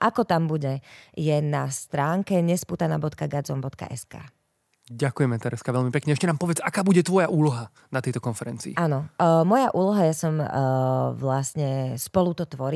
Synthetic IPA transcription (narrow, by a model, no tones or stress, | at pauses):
ʔakɔt̪ambuɟɛjɛnast̪ɾaːŋkɛɲɛspuːt̪anaːbɔt̪kaɡad͡zɔmbɔt̪ka̰ʔɛ̰ska̰ː | ɟakujɛmɛt̪ɛɾɛskaʋɛʎmipɛkɲɛɛʃcɛnaːmpɔʋɪɛt͡sakaːbuɟɛt̪ʋɔjaʔuːlɔɦa | nat̪ɛjt̪ɔkɔnfɛɾɛ̰nt͡siːʔaːnɔmɔjaʔuːlɔɦajasɔm | ʋlasɲɛspɔlut̪ɔt̪ʋɔɾi